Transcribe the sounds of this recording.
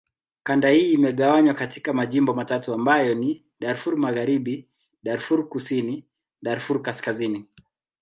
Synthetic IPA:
kandahiːmɛɠawaɲwakatikamaʄimbɔmatatuambajɔni | ɗaɾfuɾmaɣaɾiɓi | ɗaɾfuɾkusini | ɗaɾfuɾkaskazini

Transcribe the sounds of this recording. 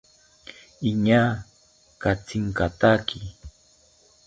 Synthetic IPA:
iɲa | kat͡sɪŋkat̪aki

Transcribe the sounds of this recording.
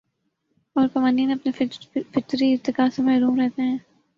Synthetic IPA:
ɔːɾkɐmaniːnɐpnefɪt̪ɾiɪɾt̪ɪkaːsemɐɦɾuːmɾɛɦt̪eɦɛ̃ː

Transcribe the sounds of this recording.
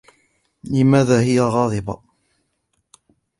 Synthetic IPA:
lɪmaːðaːhɪjaɣɑːðˤɨbɑ

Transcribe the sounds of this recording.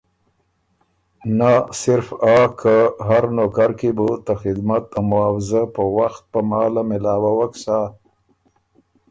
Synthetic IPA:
nasɪɾfakʰaɦaɾnokaɾkebut̪axɪd̪mat̪̚amʊawɪzapəwaxt̪̚pəmɑːlamɪlɑːwawaksa

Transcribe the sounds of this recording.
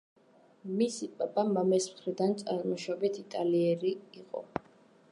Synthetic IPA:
misipʼapʼamamɛsmχɾid̪ant̪sʼaɾmɔʃabit̪ʰit̪ʼaliɛɾiːqʼɔ̰

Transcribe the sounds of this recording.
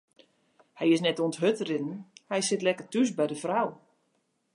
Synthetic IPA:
hɛjɪsnɛtuəntɦøtrɪdn̩hɛjsɪtlɛkərtys̬bɛjdəfraw

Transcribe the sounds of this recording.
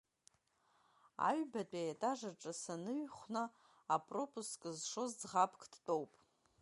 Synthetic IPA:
a̰ɥbatʷʼajatʼaʐaʈ͡ʂʼasanɨɥχʷna | apʼro̞pʼuskʼɨzʂo̞zd͡zʁapʰkʰʼd̥tʼowpʼ

